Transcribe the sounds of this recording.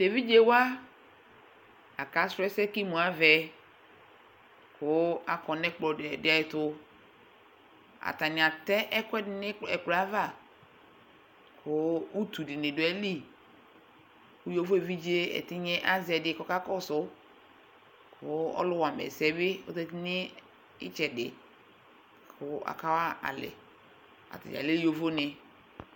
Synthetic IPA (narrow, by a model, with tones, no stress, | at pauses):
te˨vi˦d͡ʒe˦wa˦ | a̰˨ka˨˦sɛ˦sɛ˦ki˦mũ˨a˨vɛ˨ | kʊ˦a˨kɔ˨nɛ˦k͡pɔ˨dɪ˦a˨jɪ˨˦tʊ˦ | a̰˨ta˨nɪ˨a˨tɛ˦ʔɛ˦kʷɛ˦dɪ˦nɪ˦ɛ˨ka˦va˦˨ | kʰʊ˦u˦tu˨dɪ˨nɪ˨dʊ˨ɛ˦li˦ | kʊ˦jo˦vo˦e˨vi˦d͡ʒe˦ɛ̰˨tɪ˦ɲɛ˦ʔa˦zɛ˨dɪ˨˦kɔ˦ka˦kɔ˦˨sʊ˨˦ | kʰʊ˨˦ɔ̰˦lʊ˦wa˨mɛ̰˨sɛ˦bɪ˦ɔ˦tɛ˦ti˦nɪ˦ | ɪ̰˦t͡ʃɛ˨dɪ̰˨ | kʰʊ˨a̰˨ka˦wa˦a̰˨lɪ̰˨ | a̰˨ta̰˨d͡ʒ̰a̰˨le˦jo˦vo˦nɪ˨